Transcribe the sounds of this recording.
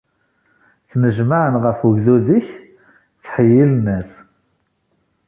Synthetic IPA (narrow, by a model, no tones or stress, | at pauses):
θnəʒmaʕənʁəfəʝðuðiç | t͡sːħəjːilnæs